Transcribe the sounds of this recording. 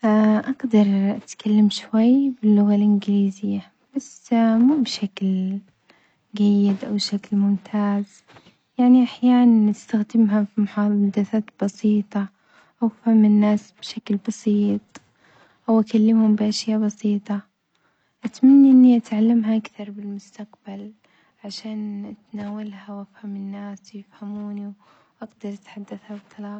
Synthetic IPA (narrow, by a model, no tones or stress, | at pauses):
ʔaʔaɡd̪ɑɾˤʔat̪kʰalːamʃwajːbɪlːʊɣalʔɪnɡɪliːzɪjːa | b̥asmuːbɪʃakl | ɡajːɪd̪ʔawʃaklmʊmt̪ʰaːz | jaʕniʔaħjaːʔanʔɪst̪axd̪ɪmɦafimʊħɑːd̪ɪθaːt̪b̥ɑsiːt̪ˤɑ | ʔawfhamːɪnːaːsb̥ʃaklbɑsiːt̪ˤ | ʔawʔakalːɪmhʊmbɪʔaʃjaːbɑsiːt̪ˤɑ | ʔat̪manːiʔɪnːiʔat̪ʕalːamɦaʔakθɑɾˤbɪlmʊst̪aqbal | ʕaʃaːnʔat̪naːwalhawʔafhamɪnːaːswjɪfhamuːniwʔaɡd̪ɑɾˤʔat̪ħad̪ːaθhabt̪ˤʰːɑlɑː